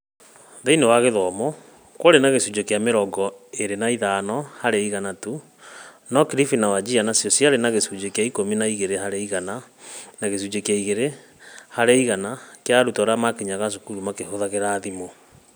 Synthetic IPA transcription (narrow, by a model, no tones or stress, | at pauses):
ðeinewaɣeðɔmɔ | kwoɾenaɣesud͡ʒekeameɾɔɡɔeɾenaiðanɔhaɾeiɣanatu | nɔkiɾifinawad͡ʑianasjɔsiaɾenaɣesud͡ʒekeaikominaiɣeɾehaɾeiɣananaɣes̬ud͡ʑekjaiɣeɾe | haɾeiɣanakeaɾutɔɾamakeɲaɣaʃokuɾumakehoðaɣeɾaːðimo